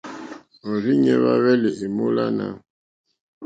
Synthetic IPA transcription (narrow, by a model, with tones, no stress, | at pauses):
ɔ˨ɾi˦ɲɛ˦βa˦βɛ˦le˨ʔe˨mo˦la˦na̰˦˨